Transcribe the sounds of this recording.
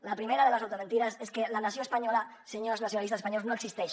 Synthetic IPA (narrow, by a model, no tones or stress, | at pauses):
lapɾime̞ɾaðe̞lasawt̪o̞ment̪iɾaseske̞lanaθjonepaɲola | seɲoznaθjonalist̪asespaɲo̞lznoeksist̪eʃ